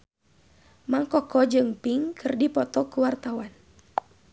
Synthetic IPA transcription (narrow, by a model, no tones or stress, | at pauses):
maŋkɔkɔd͡ʒɨŋpiŋkʰɨrdipɔt̪ɔkuwart̪awan